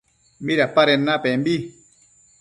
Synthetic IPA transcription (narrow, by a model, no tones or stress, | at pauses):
miɾapaɾɛnːapɛmɓi